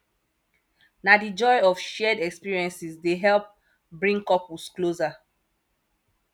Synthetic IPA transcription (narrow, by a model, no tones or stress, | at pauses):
nadid͡ʒɔjɔfʃɛdɛkspiɹiɛ̃nsisdeɦɛlp̚ | bɹĩŋkɔpuskloza